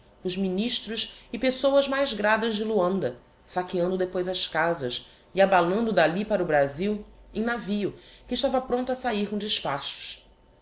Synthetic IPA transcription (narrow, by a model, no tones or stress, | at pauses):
ʊzminiʃt̪ɾʊsɪpesowɐzmajzɡɾad̪ɐzd͡ʒɪluɐ̃nd̪ɐ | sakiɐ̃nd̪ʊd̪epojzɐskazɐs | iabalɐ̃nd̪ʊd̪alipaɾʊbɾaziwẽj̃naviʊkɪːʃt̪avɐpɾõnt̪ɐsaiɾkõd͡ʒɪʃpaʃʊ̥ʃ